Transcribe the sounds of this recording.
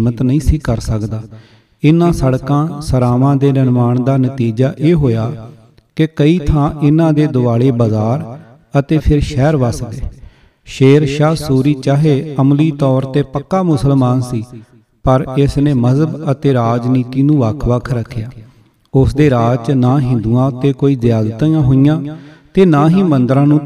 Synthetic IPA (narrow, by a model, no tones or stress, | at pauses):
mət̪nəĩːsiːkəɾsəkd̪aː | ɪnãːsəɽkãːsəɾaːʋãːd̪eːnənʋaːɳd̪aːnət̪iːd͡ʒaːʔeːɦoːjaː | kɪkəiːt̪ʰãːʔɪnãːd̪eːd̪ʊaːɽeːbəzaːɾ | ət̪eːpʰɪɾʃɛːɾʋəsd̪eː | ʃeːɾʃaːsuːɾiːt͡ʃaːɦeːəmliːt̪ɔːɾt̪eːpəkːaːmʊsəlmaːnsiː | pəɾɪsneːməzəbət̪eːɾaːd͡ʒniːt̪iːnũːʋəkʰʋəkʰɾəkʰːeː | ʊsd̪eːɾaːt͡ʃnaːɦɪ̃nd̪uːãːt̪eːkoːiːzɪjaːd̪t̪ajãːɦojãːt̪eːnaːɦĩːmənd̪ɾãːnũː